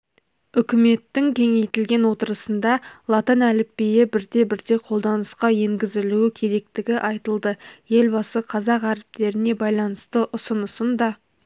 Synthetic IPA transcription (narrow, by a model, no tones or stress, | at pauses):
ʏkʲɪme̞t̪ːɪŋkʲʰe̞ŋe̞jt̪ɪlɡʲe̞nwo̞t̪əɾəsənd̪ɑlˠɑt̪ənælɪpːejɪbɪɾd̪e̞bɪɾd̪e̞qʰo̞lˠd̪ɑnəsqɑje̞ŋɡʲɪzɪluɪkʲʰe̞ɾe̞k̚t̪ɪɡʲɪʔɑjt̪əlˠd̪əje̞lbɑsəqʰɑzɑqæɾɪp̚t̪e̞ɾɪne̞bɑjlˠɑnəst̪əʔʊsənəsənd̪ɑ